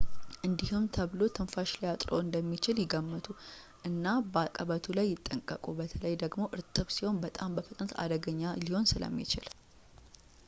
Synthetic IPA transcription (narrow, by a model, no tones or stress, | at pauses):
ʔɨnd̪ihumt̪ʰəβlo̞t̪ʰɨnfaʃlajat̪ʼɾo̰ɨnd̪əmːit͡ʃɪljɪɡəmːət̪ʰʼu | ʔɨnːabəakʼəβət̪ʰulajːɪt̪ʼːəŋkʼəkʼubət̪ʰələjd̪əɡmo̞ʔɨɾt̪ʼɨβsiho̞nbət̪ʼambəfɨt̪ʼnət̪ʰa̰d̪əɡəɲːaliho̞nsɨlə̰mːḭt͡ʃɪ̰l